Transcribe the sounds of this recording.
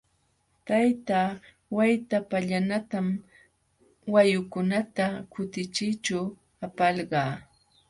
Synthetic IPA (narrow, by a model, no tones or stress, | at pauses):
t̪ajt̪aː | wajt̪apaʎanat̪am | wajʊkʊnat̪akʊt̪ɪt͡ʃɪjt͡ʃaw | apɑlɢɑː